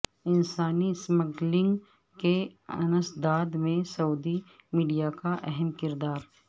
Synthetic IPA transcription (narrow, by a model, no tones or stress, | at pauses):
ɪnsaːnisməɡlɪ̃ŋɡ | keɐ̰nəsd̪aːd̪mẽsɐud̪i | miːɖijakaʔɛɦɛmkɪɾd̪aːɾ